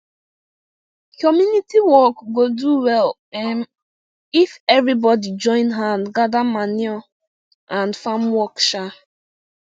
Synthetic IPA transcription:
kɔmjunitiwɔkɡoduwɛl | ɛm | ifɛvɾibɔdid͡ʒɔ̃ɪ̃nɦãnɡadamaniɔ | ãnfamwɔkʃa

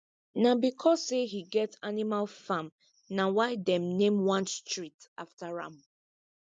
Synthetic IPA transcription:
nãbikʰɔsehiɡɛtanimalfãm | nãwaɪdɛ̃mnẽmwãnstɹitaftaɹã̰m

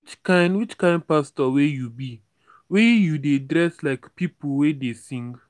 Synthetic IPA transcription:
wwit͡ʃkãɪ̃ndwit͡ʃkãɪ̃ndpastɔwejubi | wejudedɹɛslaɪkpipowedesĩŋɡ

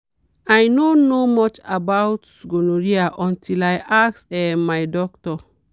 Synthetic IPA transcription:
ajnonomɔt͡ʃabawtsɡonoɹiaʔɔ̃ntʰilajʔaksɛmajdɔk̚tɔ

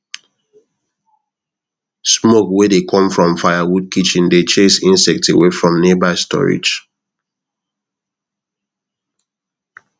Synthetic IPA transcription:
smokwedekʰɔ̃mfɹɔ̃mfaɪawud̚kʰit͡ʃĩndet͡ʃesĩnsɛk̚tewefɹɔ̃mnebastʰɔ̰ɹḭd͡ʒ

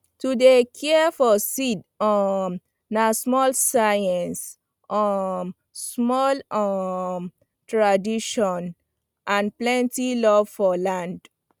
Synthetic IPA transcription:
tudekʰɛfɔsid | ɔm | nasmɔlsajɛ̃ns | ʔɔm | smɔlɔm | tɹadiʃɔ̃n | ʔãnplɛ̃ntilɔvfɔlãnd

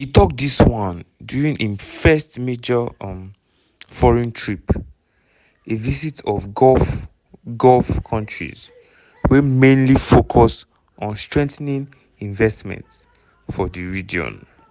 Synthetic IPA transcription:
hitʰɔk̚diswãndjuɹĩŋʔefɛstmed͡ʒə̃m | fɔɹɛ̃ntʰɹip | evizitʰɔfɡɔf | ɡɔlfkʰɔ̃ntʰɹḭz | wɛmẽnlifokʰɔs | ɔ̃nstɹɛ̃ŋθnĩn | ĩɱvɛstmɛ̰̃nts | fɔðəɹid͡ʒiɔ̰̃n

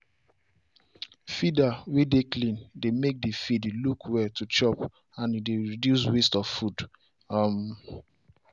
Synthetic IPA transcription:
fidawideklĩndemek̚difidlukʰwɛtʰut͡ʃɔp | ãnideɹidjus̬westɔv̥fud | m

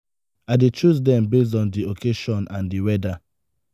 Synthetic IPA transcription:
aɪdet͡ʃuzdɛ̃mbes̬dɔ̃ndiokʰeʃɔ̃nʔãndiwɛda

